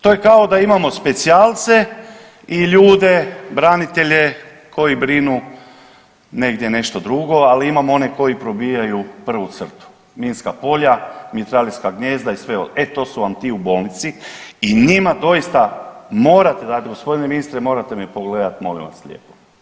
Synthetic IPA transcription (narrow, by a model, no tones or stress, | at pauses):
t̪o̞jekao̞d̪aimamo̞spe̞t̪sialt̪se̞ | iʎuːd̪e̞bɾanit̪e̞ʎe̞ | kʰo̞jibɾinu | ne̞ɡd̪je̞ne̞ʃt̪o̞d̪ɾuɡo̞aliimamo̞ne̞ko̞jipɾo̞biːjajupr̩ʋut̪sr̩t̪u̥ | miːnskapo̞ʎamit̪ɾaliskaɡɲeːzd̪aisʋeoet̪o̞suʋamt̪iːubo̞ːlnit̪siiɲimad̪o̞ist̪amo̞ːɾat̪ed̪aeɡo̞spo̞d̪ineminist̪ɾemo̞ːɾat̪emipo̞ɡle̞d̪at̪mo̞lḭ̃ʋa̰sʎḛːpo̥